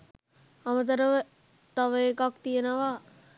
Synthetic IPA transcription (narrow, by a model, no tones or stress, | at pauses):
amət̪̬əɾəʋə | t̪aʋəekakt̪ijənəʋa